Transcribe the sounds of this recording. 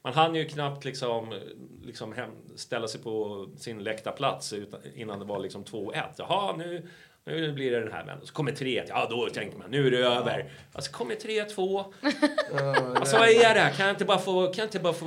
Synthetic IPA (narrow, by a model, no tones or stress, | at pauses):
mɛnɦanːjɵkʰnap̚t̪ʰlɪksɔmlɪksɔmɦɛmst̪ɛlːasɛjpʰɔsɪnlɛkt̪apʰlat̪sʉ̟ːt̪ɪ̰nːand̪ɛvaɭɪksɔmt̪ʰvoːɛ̰t̪ːjɑ̰ɦɑnʉ̟ː | nʉ̟ːblɪɾɛd̪ɛnɦæ̰ːɾmɛ̰nːənsɔ̥kʰɔmːəʈʰɾeːɛt̪ːjɑd̪ɔt̪ʰɛŋkəɾma̰nnʉ̟ːæɾɛøːvə̰ɾ | a̰sɔ̥kʰɔmːəʈʰɾeːt̪ʰvoː | asɔvaɛæɖɛhæɾkʰanjaɪnt̪əbɑːɾafoːkʰanjaɪɪnt̪əbɑːɾafoː